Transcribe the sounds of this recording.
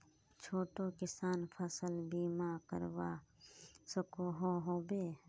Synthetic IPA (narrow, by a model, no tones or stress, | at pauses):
t͡ʃʰoːʈoːkɪsaːnpʰɐsəlbiːmaːkə̰ɾwaː | sɐkoɦoːɦoːbeː